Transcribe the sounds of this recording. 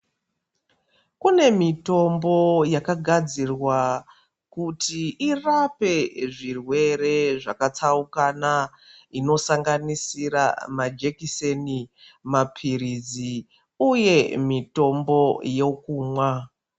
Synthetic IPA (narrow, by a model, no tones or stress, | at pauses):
kune̞mito̞mbo̞jakaɡʱad͡zirwa | kutiʔirape̞ʐirwe̞ɾe̞ʐakat͡saukana | ino̞saŋɡanisiɾa̰mad͡ʒekiseni | mapʰiɾid͡zi | uje̞mito̞mbo̞je̞kuːmwa